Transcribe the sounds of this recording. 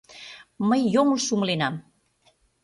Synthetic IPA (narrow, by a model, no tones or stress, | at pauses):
məjjɔmulsumlenam